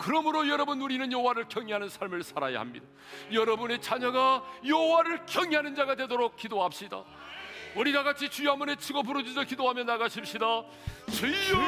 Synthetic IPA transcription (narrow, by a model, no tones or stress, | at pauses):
kɯɾʌmɯɾojʌɾʌbunuɾinɯnjoɦowaɾɯɭkjʌŋiɦanɯnsʰaɭmɯɭsʰaɾa̰ja̰ha̰mɲḭda | jʌɾʌbune̞t͡ɕʰaɲʌɡajoɦowaɾɯɭkjʌŋiɦanɯnd͡ʑaɡadwe̞doɾok̚k͈idoɦap̚ɕ͈ida̰ | oɾidaɡat͡ɕʰit͡ɕujamone̞t͡ɕʰiɡʌpuɾʌd͡ʑid͡ʑʌkidoɦamjʌnːaɡaɕʰip̚ɕ͈ida | t͡ɕɯ